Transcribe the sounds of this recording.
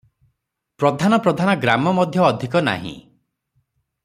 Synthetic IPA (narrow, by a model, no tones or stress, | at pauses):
pɾɔd̪ʱanɔpɾɔd̪ʱanɔɡɾamɔmɔd̪ʱjɔːd̪ʱikɔna̰ɦḭ̃